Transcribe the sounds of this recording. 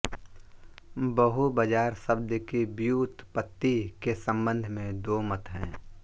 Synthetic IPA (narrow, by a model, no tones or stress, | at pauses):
bəɦubəd͡ʒaːɾsəb̚d̪əkibjuːt̪pət̪ːikesə̃mbə̃nd̪ʱmẽd̪oːmət̪ɦɛ̃ː